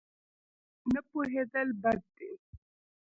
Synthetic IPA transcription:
nəpuɦed̪əlbad̪̚d̪e

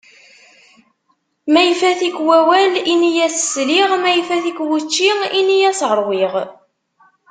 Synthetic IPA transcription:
mæjfæθikwæwælinijæssliʁmæjfæθikwut͡ʃːiinijæsʁəɾˤwiʁ

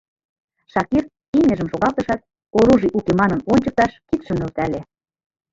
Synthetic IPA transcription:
ʃɑkir | iŋĕʒə̆mʃoɣɑlt̪ɤ̆ʃɑt̪̚ | oɾuʒiʔukemɑnɤ̆nonʲt͡ɕə̆k̚t̪ɑʃkit̪ʃə̆mnølt̪æle

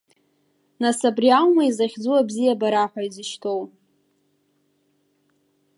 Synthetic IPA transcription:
nasabriawmaizaχʲd͡zuwabzijabaɾaħʷaizɨʃtʰo̞w

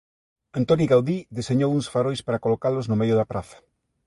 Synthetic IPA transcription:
ant̪oniɣawðiðiseɲowuŋsfaɾojspaɾakolokalʊznʊmejʊðɐapɾʔaθɐ̥

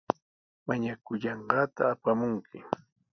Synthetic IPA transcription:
maɲakʊʎɑɴɢɑːt̪a̰ːpamʊŋkʰɪ

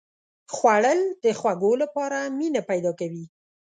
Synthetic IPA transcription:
xwaɽəld̪̥əxwaɡolapɑɾaminapajd̪ɑkawi

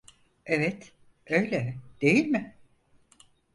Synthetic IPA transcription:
evɛt̪ | ø̞jlʲɛd̪̥e̞jilʲmɪ

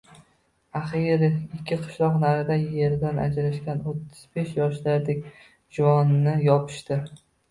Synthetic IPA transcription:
aχiɾɪɪkʲʰːɪqʰɨ̥ʃlˠɒqnaɾɪd̪aje̞ɾd̪ana̰d͡ʒɾaʃkʲanot̪ʰːɪz̥be̞ʃjɒʃlaɾd̪ekʲ | d͡ʒʊvɒnːɪjɒpʰɪ̥ʃt̪ɪ

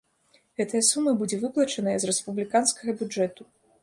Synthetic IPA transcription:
ɣɛt̪ɐjɐsumːɐbud͡zʲɛvɨplˠɐt͡ʂɐnɐjɐzrɛspublʲikanskɐɣɐbʲud͡ʐɛt̪u

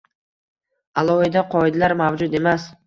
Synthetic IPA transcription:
alˠɒid̪aqʰɒjd̪alaɾmavd͡ʒʊd̪e̞mas

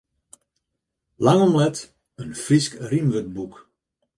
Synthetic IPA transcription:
laŋɔmlɛt | ənfriskrimʋət̚buk

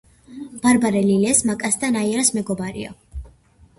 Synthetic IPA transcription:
b̥aɾbaɾɛlilɛsmakʼasd̪anaiɾasmɛɡɔbaɾḭɔ̰

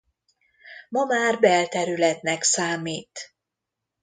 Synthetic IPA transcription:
mɒmaːrbɛlt̪ɛɾylɛt̪nɛksaːmiːt̪

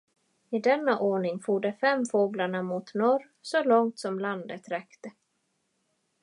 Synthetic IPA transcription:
ɪd̪ɛnːaʔoːɳɪŋfuːɖəfɛmfoːɡlaɳamʊt̪nɔɾ | sɔlɔŋt̪sɔmland̪ət̪ɾɛkt̪ə

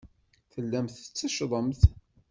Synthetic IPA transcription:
θəlːæmθət͡sːəʃðˤəmθ

